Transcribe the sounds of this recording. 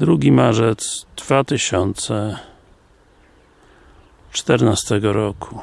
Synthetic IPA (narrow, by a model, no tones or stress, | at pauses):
d̪ɾuɡʲimaʐɛt̪sd̪v̥at̪ɘɕɔnt̪sɛ | t͡ʂt̪ɛɾnast̪ɛɡɔɾɔkʰu